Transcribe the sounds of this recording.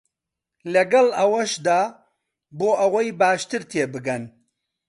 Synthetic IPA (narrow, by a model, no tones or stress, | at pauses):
lɐɡɐlɐwɐʃd̪aː | boːʔɐwɐjbaːʃt̪ɨɾt̪ʰeːbɨɡɐn